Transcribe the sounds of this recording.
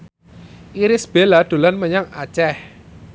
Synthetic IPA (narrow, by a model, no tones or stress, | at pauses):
ʔiɾɪsb̥elad̪̥o̤lanməɲaŋa̰t͡ʃɛh